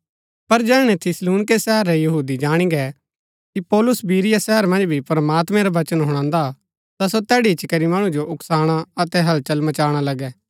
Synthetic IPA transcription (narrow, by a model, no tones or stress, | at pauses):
pɐɾd͡ʒɛːɽ̃ɛ̃t̪ʰɪsluːnkesɛɦəɾːɛjɐɦuːd̪id͡ʒaːɽ̃iɡɛ | kipɔːlʊsbiːɾɪjasɛːəɾmɐ̃nd͡ʒbʱipɾɐmaːt̪mɛ̃ɾaʋɐt͡ʃənɦʊɽ̃ãːnd̪a | t̪as̬ot̪ɛːɽit͡ʃkɐɾimɐɽ̃ũd͡ʒoʔʊksaːɽ̃aɐt̪ɛɦɐlt͡ʃɐlmɐt͡ʃaːɽ̃alɐɡɛː